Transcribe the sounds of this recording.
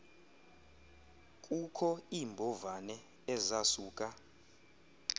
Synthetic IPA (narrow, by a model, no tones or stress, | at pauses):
kʼukʰɔiːmbʱɔvanɛ | ɛzasuːkʼa